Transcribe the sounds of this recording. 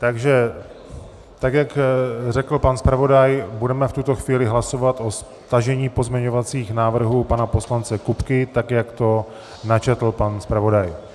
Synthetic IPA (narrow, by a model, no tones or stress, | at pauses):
t̪aɡʒɛ | t̪akjakrɛkl̩panspɾavo̞dajbudɛmɛft̪ut̪o̞xviːlɪɦlaso̞vat̪ʔo̞s | t̪aʒɛɲiːpo̞zmɲɛɲo̞vat͡siːxnaːvr̩ɦuːpanapo̞slant͡sɛkupkɪt̪akjakt̪o̞ | nat͡ʃɛt̪l̩panspɾavo̞daj